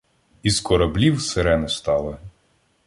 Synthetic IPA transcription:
izkʰɔɾɐblʲiwseɾɛnʊst̪ɑlˠɪ

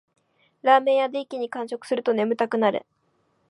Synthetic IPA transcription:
ɾaːme̞ːjad̪eːkʲiɲ̟ikãɰ̃ɕo̞kɯ̟̥sɨɾɯ̟t̪one̞mɯ̟t̪akɯ̟naɾɯ̰

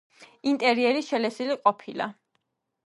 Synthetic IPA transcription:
int̪ʼɛɾiɛɾiʃɛlɛsiliqʼɔpʰila̰

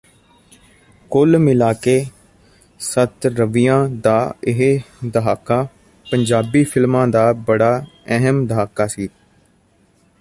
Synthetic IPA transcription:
kʊlmɪlaːkeː | sət̪ɾəʋɪjãːd̪aːɪɦd̪əɦaːkaː | pəɲd͡ʒaːbiːpʰɪlmãːd̪aːbəɽaːɛɦəmd̪əɦaːkaːsiː

